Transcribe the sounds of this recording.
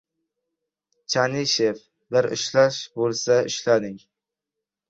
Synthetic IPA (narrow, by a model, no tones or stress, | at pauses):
t͡ʃʰaniʃef | bɪɾɪ̰ʃlaʃbolˠsaɪʃlad̪ɪŋ